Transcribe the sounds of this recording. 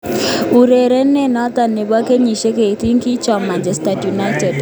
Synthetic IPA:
u˨ɾe˨ɾe˦nːe˦nɔ˦t̪a˨nːe˨βwa˦ke˦ɲi˨ʃe˦ke˨i˨t̪i˦ŋki˦t͡ʃa˨ma˨nd͡ʒɛ˦sta˨tju˨na˦jtɛ˨d

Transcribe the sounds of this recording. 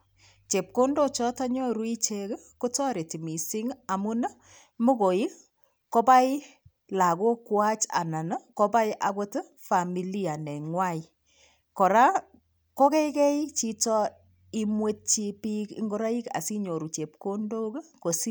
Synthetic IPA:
t͡ʃe˨p̚ko˦ndo˦t͡ʃɔ˦ta˦ɲɔ˦ɾu˦i˦t͡ʃe˨k | ko˦tɔ˦ɾe˨ti˨mi˨si˦ŋa˨mu˦na˦ | mo˦ko˨i˦ | ko˦ba˦ɪ˦ | la˨ko˦kwa˦t͡ʃa̰˨na˨nə˦kɔ˦ba˦jʔa̰˨ko˦tɪ˦ | fa˨mi˨li˦a˨nɛ˨ŋwa˦ɪ˨ | kɔ˨ɾa˦ | ko˦kɛ˦kɛ˦it͡ʃi˦tɔ˦ | i˦mwe˦t̚t͡ʃi˧pi˦kḭ˦ŋɡo˦ɾa˦i˦ka̰˨si˦ɲo˨ɾu˨t͡ʃe˨p̚ko˦ndo˦kko˨si˦

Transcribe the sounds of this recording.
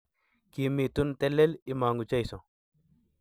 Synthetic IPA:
ki˨mi˨tu˦ntɛ˦lɛ˦li˦ma˨ŋɡu˨t͡ʃa˦jsɔ˨

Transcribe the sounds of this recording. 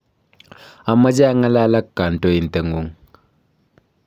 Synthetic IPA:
a˨mə˦d͡ʒa˦a˦ŋa˦la˦la˦kːa˨n̩˨to˦i˨n̩˨tə˨ŋu˦ŋ

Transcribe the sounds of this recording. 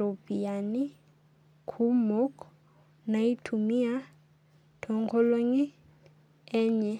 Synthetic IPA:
o˨pi˨a˨ni˦ | kʰu˦mo˦k | na˨i˦tʰu˨mi˦a˦ | tʰɔ˨ŋkʰɔ˦lo˦ŋi˦ | ɛ˦ɲɛ˨

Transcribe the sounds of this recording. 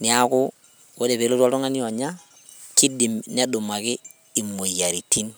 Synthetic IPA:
ni˨a˦kʊ˦ | ko˦de˨βe˨˦lo˦ta˦to˦ŋa˦ni˦o˨ɲa˦ | ki˦di˨mni˦a˦du˨ma˨kɪ˦ | i˨mo˨ja˨ɾi˨ti˦n

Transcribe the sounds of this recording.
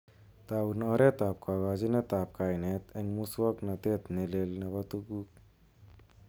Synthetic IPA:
t̪awnɔɾe˦t̪a˨p̚kʰa˨ka˧d͡ʒi˦na˦t̪a˨p̚ka˨jne˧t̪ʰeŋmuswa˦kna˨t̪e˦t̪ne˨le˧lna˧bat̪u˦ɡu˦k̚

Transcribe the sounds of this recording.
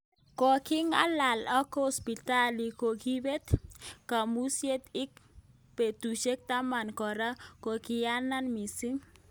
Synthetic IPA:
kɔ˨kɪ˦ŋa̰˦la˨lɔ˦ko˨spi˨ta˦li˨ko˨ɡi˦be˦t̪ka˨mu˦sje˦t̪ɪ˦k̚ | pe˨t̪u˨ʃe˦k̚t̪a˦ma˨nkɔ˨ɾa˦ko˨kɪ˨ja˦na˦nmi˨si˦ŋ

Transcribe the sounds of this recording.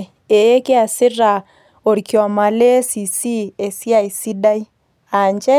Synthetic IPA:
e˨e˦ke˦a˨sɪ˦ɾa˨ | o˨ɾki˨ɔ˨ma˨le˦si˨si˦e˨si˦a˨i˨si˦da˦i˦ | a˨ɲd͡ʒɛ˦

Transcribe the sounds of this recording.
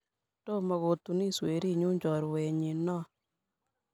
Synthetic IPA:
to˦˨mɔ˨ɣo˨tu˨ni˦swe˨ɾi˦ɲu˦ɲd͡ʒɔ˨ɾwe˨ɲi˨nɔ˦

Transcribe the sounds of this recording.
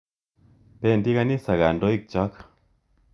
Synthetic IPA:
pe˦˨ndi˦ka˦ni˦sa˨ɣa˨ndo˦i˦k̚t͡ʃɔ˦k

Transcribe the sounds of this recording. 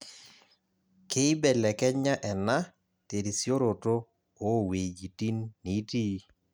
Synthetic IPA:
ke˦i˦bɛ˨lɛ˨kɛ˦ɲa˦ʔɛ˨na˦ | te˨ɾi˨sjo˦ɾo˨to˦ | o˦˨we˨d͡ʒi˨ti˦nːi˨˦ti˦

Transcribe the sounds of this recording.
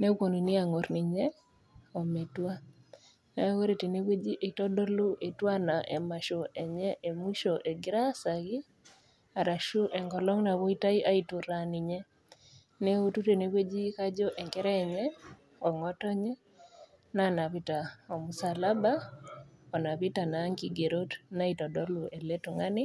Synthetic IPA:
ne˦ko˨ni˨ni˦a˨ŋo˨ɾni˨ɲɛ˦ | o˨me˨twa˦ | na˨˦wo˦ɾe˨te˨ne˦kwe˦d͡ʒi˦ʔe˨tɔ˦dɔ˦lu˦ʔe˨twa˦na˨ʔe˨ma˨ʃo˨ɛ˨ɲɛ˦ʔe˨mu˦ʃo˨ʔe˨ɡɪɾa˦sa˨ɡɪ˦ | a˨ɾa˨ʃu˦ʔɛ˨ŋɡɔ˨lɔ˦ŋna˨βo˦i˦ta˦i˦ʔa˦i˨tu˨ɾani˨ɲɛ˦ | ne˦o˦tu˦te˨ne˨we˦d͡ʒi˦ka˦d͡ʒɔ˦ʔɛ˨ŋkɛ˦ɾɛː˦˨ɲɛ˦ | ɔ˨ŋɔ˦tɔ˦ɲɛ˦ | na˦na˨pi˦ta˨o˨mu˨sa˨la˦ba˦ | ɔ˨na˨pɪ˦ta˨na˨˦ŋki˨ɡe˨ɾo˦tna˦i˨tɔ˨dɔ˦lu˦e˨le˦tu˨ŋa˦nɪ˦

